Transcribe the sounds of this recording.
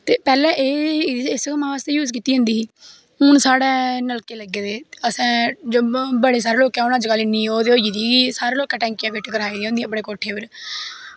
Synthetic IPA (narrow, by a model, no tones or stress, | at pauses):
t̪eːpɛːlɛ̃ːʔeːɪskəmãʋaːst̪eːjuːzkiːt̪iːɦʊ̃nd̪iːiː | ʊnsaːɽɛːnəlkeːləɡːeːd̪eːəsãːd͡ʒoːbəɽeːs̬aːɾeːloːkɛ̃ːʊnəd͡ʒkəlɪnːiːoːd̪eːoːd͡ʒiːd̪iːɡiːsaːɾeːloːkɛ̃ːʈɛ̃ːŋkɪjãːpɪʈkəɾaːiːd̪ĩːõnd̪ĩːɛ̃ːpəɽeːkoːʈʰeːpəɾ